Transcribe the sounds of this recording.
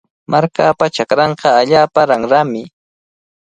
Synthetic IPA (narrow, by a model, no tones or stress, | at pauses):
mʔaɾkaːpat͡ʃakɾɑɴqɑaʎaːpaɾaŋɾamɪ